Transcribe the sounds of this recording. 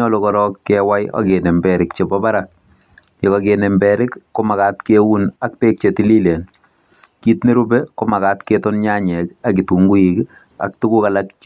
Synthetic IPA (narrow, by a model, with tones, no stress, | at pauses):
ɔ˦lo˨kɔ˨ɾɔkːɛwa˦jɔ̰ke˨ne˨mbɛɾɪkt͡ʃe˨bɔ˦ba˦ɾa˨k̚ | je˨kɔkene˨mbɛɾɪ˦kːo˦ma˨ka˦tke˦wu˦na˦k̚pe˦k̚t͡ʃe˨ti˦li˦le˨n | ki˦tne˦ɾu˦beko˦ma˨ka˦tketɔ˦nɲa˦ɲɛka˦ki˨tu˨ŋɡu˦jik | a̰˨k̚tu˦ku˦ka˨lak